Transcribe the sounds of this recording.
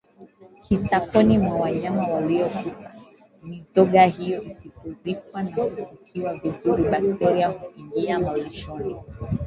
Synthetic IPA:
kʰitakɔnimwawaɲamawaliɔkupa | nizɔɠahijɔʔisipɔzik̚wanakufikʰiwavizuɾiɓak̚tʰɛɾiahuiŋɡiamaliʃɔni

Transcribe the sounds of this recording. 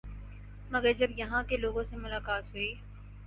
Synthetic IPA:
mɐɡəɾd͡ʒɐbjɐɦãkeloːɡõsemʊlaːkaːt̪ɦʊiː

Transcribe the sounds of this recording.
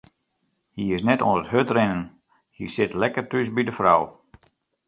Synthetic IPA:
hiɪsnɛto̰nətɦøtrɪnən | hisɪtlɛkərtysbidəfraw

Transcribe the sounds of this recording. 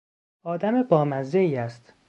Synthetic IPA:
ɒːd̪æmebɒːmæzd̪eiːæst̪

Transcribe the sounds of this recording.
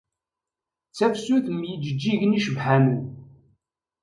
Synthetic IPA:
t͡sːæfsuθəmjəd͡ʒəd͡ʒːiʝəniʃəvħænu

